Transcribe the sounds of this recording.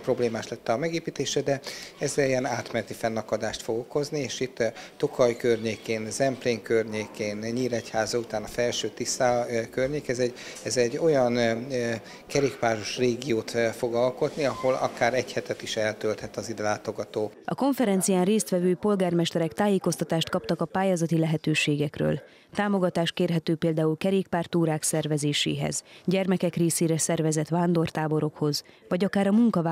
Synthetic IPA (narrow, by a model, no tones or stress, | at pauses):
pro̞bleːmaːʃlɛt̪ːɛɒmɛɡeːpiːt̪eːʃɛd̪ɛɛzːɛliɛnaːt̪mɛnɛt̪ifɛnːɒkɒd̪aːʃt̪fo̞ɡo̞ko̞znieːʃit̪ːtokʰɒjkørɲeːkeːnzɛmpleːŋkørɲeːkeːnɲiːɾɛchaːzɒut̪aːnɒfɛlʃøːt̪isaːkørɲeːkɛzɛɟɛzɛɟːo̞jɒn | kɛɾeːkpaːʒoʃreːɡijoːt̪fo̞ɡɒlko̞t̪niɒho̞lɒ̰kaːɾɛchɛt̪ɛt̪iʃɛlt̪ølt̪hɛt̪ɒzid̪ɛlaːt̪o̞ɡɒt̪oːɒ̰ko̞ɱfɛɾɛnt̪sijaːnreːst̪ʋɛvøːpo̞lɡaːrmɛʃt̪ɛɾɛkt̪aːjeːko̞st̪ɒt̪aːʃt̪kɒpt̪ɒkɒpaːjaːzɒt̪ilɛɦɛt̪øːʃeːɡɛkrø̰ːl | t̪aːmo̞ɡɒt̪aːʃt̪̚keːrɦɛt̪øːpeːld̪aːulkɛɾeːkpaːrt̪uːɾaːksɛrvɛzeːʃḛːɦɛ̰zɟɛrmɛkɛkreːseːɾɛsɛrvɛzɛt̪ʋaːnd̪o̞rt̪aːbo̞ɾo̞kho̞zʋɒɟɒkaːɾɒmuŋkɒva